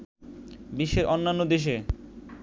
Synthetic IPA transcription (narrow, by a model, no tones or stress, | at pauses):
biʃːeɾʔɔnːanːod̪eʃ̬e